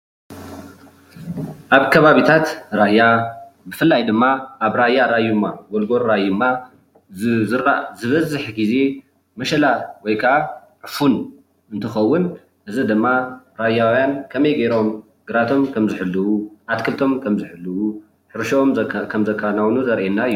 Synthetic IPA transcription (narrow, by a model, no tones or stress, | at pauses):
ʔaβkʰɐβaβit̪ʰat̪ɾajabɨfɨlːajd̪ɨmːaʔaβɾajːaɾajumaɡolɡo̞ɾɾajɨmːa | zɨɾazɨβɐzɨħɡize̞ | mɐʃɐlawɔjkʰɐʔaʕɨfun | ɨnt̪ʰɨxɐwːʊn | ʔɨzɨd̪ɨmːaɾajawjankʰɐmɐjɡeɾo̞m | ɡ̥ɨɾat̪ʰo̞mkʰɐmzɨħɨlːɨwuʔat̪kʰɨlt̪ʰo̞mkʰɐmzɨħɨlːɨwu | ħɨɾʃomkʰɐmzɐkʰːanawnuzɐɾʔenːaɨjːu